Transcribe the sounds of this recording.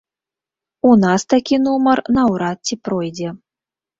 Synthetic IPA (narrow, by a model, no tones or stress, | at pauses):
unast̪akʲinumɐrnɐwɾat̪̚t͡sʲipɾɔjd͡zʲɛ